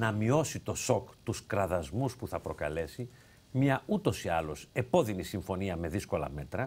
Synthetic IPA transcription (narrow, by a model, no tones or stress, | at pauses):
nɐmio̞sit̪o̞so̞kt̪uskɾɐðɐzmuspuθɐpɾo̞kɐlesi | mɲɐut̪o̞siɐlo̞se̞po̞ðinisiɱfo̞niɐme̞ðisko̞lɐ̰me̞t̪ɾɐ